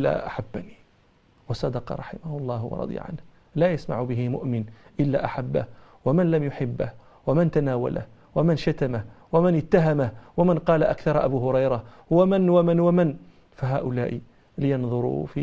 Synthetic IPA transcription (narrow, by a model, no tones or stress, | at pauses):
a̰ʔaħabːani | wɑsˤːɑd̪ɑqɑ̰ɾˤɑ̰ħɪmahʊlˤːɑːhwɑ̰ɾˤɑ̰d̪ˤja̰ʕa̰nh | laːjasma̰ʕʊbɪɦɪmʊ̰ʔmɪnʔɪlːa̰ːʔaħabːa̰hwamɪnlamjʊħɪbːah | wamɪnt̪anaːwa̰la̰h | wamɪnʃat̪amawamɪnɪt̪ːaɦamahwamɪnqɑːlaʔa̰kθɑɾˤʔa̰buɦʊɾɑjɾa | wamɪnwamɪnwamɪn | faɦaːʔʊla̰ːʔi | lɪjɑnðˤʊɾṵfi